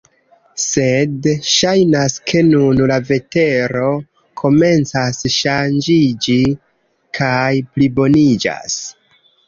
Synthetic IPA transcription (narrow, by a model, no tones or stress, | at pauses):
se̞dʃajnaskʰe̞nunlave̞te̞ɾo̞ | kʰo̞me̞nt͡sasʃand͡ʒid͡ʒi | kʰajplibo̞nid͡ʒa̰s